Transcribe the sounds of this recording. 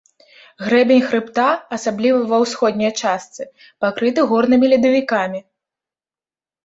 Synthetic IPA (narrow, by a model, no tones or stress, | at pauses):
ɣɾɛbʲenʲxɾɨpt̪aɐsablʲivɐvɐwsxɔd̪̚ʲnʲɐjt͡ʂast̪sɨ | pakɾɨt̪ɨɣɔrnɨmʲilʲid̪ɐvʲikamʲi